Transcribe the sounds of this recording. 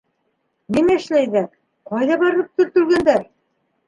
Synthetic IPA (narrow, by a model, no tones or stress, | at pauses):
nimæɘ̆ʃlæjðæ | qɑjðɑβɑɾlˠɤp̚t̪ɵ̆ɾt̪ɵ̆lɡænd̪æɾ